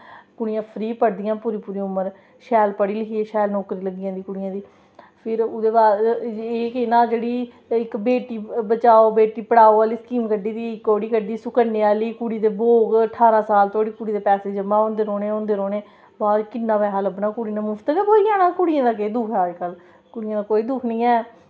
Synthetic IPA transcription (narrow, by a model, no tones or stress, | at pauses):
kʊɽɪjãːpʰɾiːpəɽd̪ɪjãːpuːɾiːpuːɾiːʊməɾ | ʃɛːlpəɽiːləkʰiːẽːʃɛːlnɔːkɾiːləɡijãːd̪iːkʊɽɪjãːd̪iː | pʰɪɾʊd̪eːbaːeːkɪnãːd͡ʒeːɽiː | ɪkbeːʈiːbət͡ʃaːoːbeːʈiːpəɽaːoːaːliːskiːmkəɖiːd̪iːɪkːoːɽiːkəɖiːsʊkənːeːaːliːkuɽiːt̪eːboːɡəʈʰːaːɾãːsaːlt̪ʰoaːɽiːkuɽiːd̪eːpɛːseːd͡ʒəmaːõːnd̪eːɾoːneːõːnd̪eːɾoːneː | baːd̪kɪnːãːʋɛːɦaːləbnãːkʊɽiːnãːmʊfʰt̪əkɛːboːijãːnãːkʊɽɪjãːd̪aːkeːd̪ʊːkʰɛkəl | kʊɽɪjãːd̪aːkoːiːd̪ʊːkʰnĩːɛː